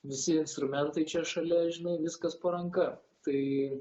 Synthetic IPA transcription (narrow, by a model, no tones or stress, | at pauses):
ʋʲɪsʲɪɪnst̪ɾʊmʲɛnt̪ɐɪt͡ʃʲɛʃɐlʲɛʒʲɪnɐɪʋʲɪskɐspɐɾɐŋkɐ | t̪ɐɪ